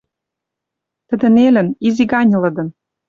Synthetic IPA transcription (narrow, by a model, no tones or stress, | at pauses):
t̪ə̆d̪ɘ̆nelɘ̆niziɡɑnʲɤ̆lɤ̆d̪ɤ̆n